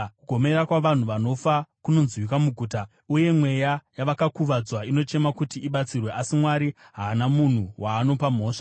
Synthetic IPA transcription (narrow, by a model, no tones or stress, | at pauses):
kuɡʱo̞me̞ɾakwaʋan̤uʋano̞fakuno̞nzwik̬amuɡʱuːta | uje̞mwe̞jajaʋakakuʋad͡zwaino̞t͡ʃe̞makutiːɓat͡sirwe̞ʔasimwaɾi | ɦaːnamun̤uwʔaːno̞pam̤o̞ːʂḁ